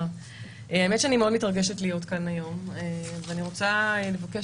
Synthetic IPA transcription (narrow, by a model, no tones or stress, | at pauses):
aemet̪ʃeanimeodmitʁaɡeʃetlijo̞tkanajo̞meveaniʁo̞t͡saelevake